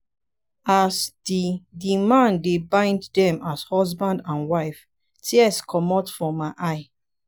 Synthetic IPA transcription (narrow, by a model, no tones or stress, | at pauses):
asdidimãndebãɪ̃nddɛ̃mashɔsbãndãnwaɪf | tʰiɛskʰɔmɔtfɹɔ̃mːaɪʔaɪ